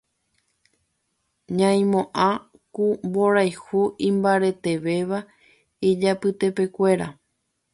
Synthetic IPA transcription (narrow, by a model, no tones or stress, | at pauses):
ɲãj̃mõʔã | kumbo̞ɾajhuʔĩmbaɾe̞t̪e̞ʋe̞ʋa | id͡ʒapɨt̪e̞pe̞kʷe̞ɾa